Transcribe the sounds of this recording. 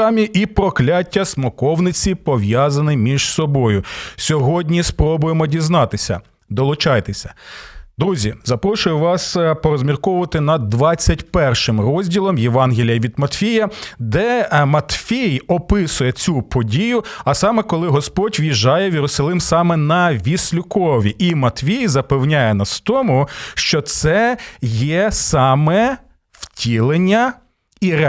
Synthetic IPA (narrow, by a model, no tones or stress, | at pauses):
ɑmʲiʔipɾɔklʲatʲːɐsmɔkɔwnɪt͡sʲipɔʋʲjɑzɐnɪjmʲiʒsɔbɔjʊsʲɔɦɔdʲnʲispɾɔbʊjemɔdʲiznɑt̪ɪsʲɐ̰ | d̪ɔlˠʊt͡ʃɑjt̪esʲɐ̥d̪ɾuzʲizɐpɾɔʃʊjʊʋɑspɔɾɔzmʲirkɔʊʋɐt̪ɪnɐd̪ːʋɑt͡sʲːɐtʲpɛrʃɪmrɔzʲdʲilˠɔmjeʋɑnɦʲilʲijɐʋʲid̪mɐt̪fʲijɐd̪ɛmɐt̪fʲejɔpɪsʊjɛt͡sʲupɔdʲijʊɐsɑmɛkɔlˠɪɦɔspɔtʲʋjiʒɑjɛwʲjiɾʊsɐlˠɪmsɑmɛnɐʋʲisʲlʲʊkɔʋʲiʔimɐt̪fʲijzɐpewnʲajɛnɐst̪ɔmʊʃt͡ʃɔt̪sɛjɛsɑmɛ | w̥tʲilˠenʲːɐ | iɾɛ